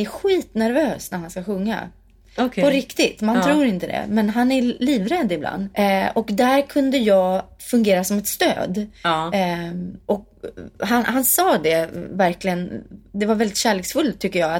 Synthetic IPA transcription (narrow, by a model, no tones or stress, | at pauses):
æɾɧiːt̪næɾvøːsnæɾhanskaɧɵŋːa̰ | pɔɾɪkt̪ɪt̪mant̪ʰɾuːɾɪnt̪əd̪ɛ̰mɛnɦanæɾliːvɾɛd̪ːɪblʔa̰nd̪ɔkd̪æɾkʰɵnd̪əjɑːfɵŋɡeːɾasɔmɛt̪st̪ø̰ːd̪ | ʔɔk̚ | ɦanhansɑːd̪ɛvæɾklɪɡənd̪ɛvaɾvɛld̪ɪt̪ɕæːɭeːksfɵlt̪ʰʏkːəjɑːa